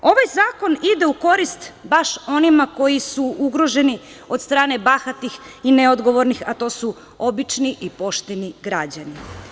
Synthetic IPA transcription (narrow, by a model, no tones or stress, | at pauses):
o̞ʋajzaːko̞nid̪e̞uko̞ɾist̪baʃo̞nimako̞jisuuɡɾo̞ʒe̞ni | o̞d̪st̪ɾaːne̞baxat̪ixineo̞d̪ɡo̞ʋo̞ɾnixat̪o̞ːsu | o̞bit͡ʃniʔipo̞ʃt̪eniɡɾad͡ʑani